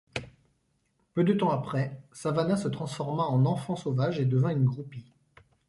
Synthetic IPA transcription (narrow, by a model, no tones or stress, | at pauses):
pød̪ət̪ɑ̃apχɛsavanɛ̃sət̪χɑ̃sfɔʁmaɑ̃nɑ̃fɑ̃sovaʒed̪əvɛ̃ynɡʁupi